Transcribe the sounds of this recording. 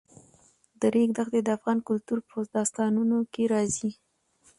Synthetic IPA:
d̪əɾeɡd̪axd̪ed̪əafɣɑnkʊlt̪uɾpozd̪ɑst̪ɑnunokeɾɑzi

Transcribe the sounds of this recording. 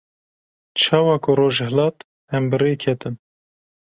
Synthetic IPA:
t͡ʃʰɑːwɑːkʊroːʒhɨlɑːt̪ | hɛmbɨrekʰɛt̪ɨn

